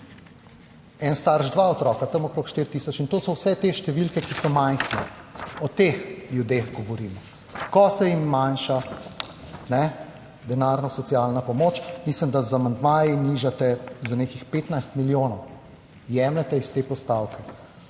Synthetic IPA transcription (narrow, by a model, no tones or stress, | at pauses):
ɛnst̪aɾʒd̪ʋaɔt̪ɾɔːkat̪ɐmɔkɾoːkʃt̪iɾt̪iːsɔt͡ʃint̪osɔwsɛt̪eʃt̪ɛʋilkɛkisɔmajxnɛɔt̪exljud̪exɡɔʋɔɾiːmɔ | kɔsɛimːanʃa | nɛ | d̪ɛnaɾnɔsɔt̪sialnapɔmoːt͡ʃmislimd̪azamand̪maːjiniʒat̪ɛzanekixpeːt̪najst̪miljoːnɔw | jɛmlɛt̪ɛist̪eːpɔst̪awkʰɛ